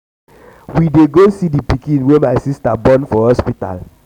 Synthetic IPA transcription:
wideɡosidipikĩnwemaɪsistabɔ̃nfɔhɔspita̰l

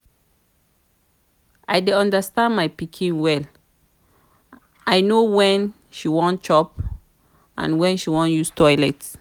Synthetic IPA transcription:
ʔajdeɔ̃ndəstãndmajpikʰĩnwɛl | ajnowɛ̃n | ʃiwɔ̃nt͡ʃɔp | ʔã̰nwɛ̃nʃiwɔ̃njustɔjlɛt

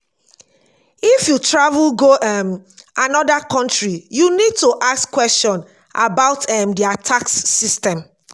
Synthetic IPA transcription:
ifjutɹavulɡoʔɛmʔanɔdakɔ̃ntɹijunid̚tuʔaskːwɛstɔ̃n | ʔa̰baʊtʰɛmdiatʰaksːistɛ̃m

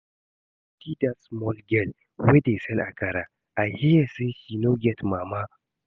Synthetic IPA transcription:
tidasmɔlɡɛl | wedesɛnʔa̰kɐɾa | ʔahijaseʃinoɡʲɛtmama

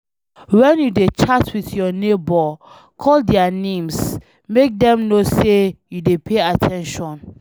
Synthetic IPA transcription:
wɛ̃njudet͡ʃatwiθjɔnebɔ | kʰɔldɛanẽms | mek̚dɛ̃mnosejudepʰeatʰɛ̃nʃɔ̃n

